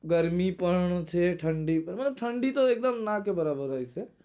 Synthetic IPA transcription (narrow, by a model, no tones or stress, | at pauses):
ɡəɾmipəɾɳ̃t͡ʃʰeʈʰəɳɖimɐt̪ləb̚ʈʰəɳɖit̪oeːk̚d̪əmnakebəɾaːbəɾaise